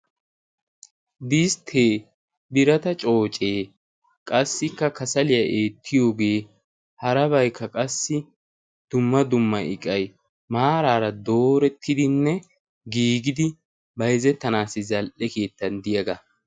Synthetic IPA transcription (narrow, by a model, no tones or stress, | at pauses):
d̪ɪst̪ʰeː | bɪɾɐt̪ɐt͡ʃʼo̞ːt͡ʃʼeː | kʼɐsːɪkːɐkɐsɐlɪjɐʔeːt̪ʰːɪjo̞ːɡe̞ː | hɐɾɐbɐjkʰːɐkʼɐsːɪ | d̪̥ʊmːɐd̪ʊmːɐɪ̰kʼɐj | maːɾaːɾɐd̪o̞ːɾɛt̪ʰːɪd̪ɪnːɛ | ɡiːɡɪd̪ɪ | bɐjzɛt̪ːɐnaːsːɪzɐlʔɛke̞ːt̪ːɐnd̪ɪjɐɡɐ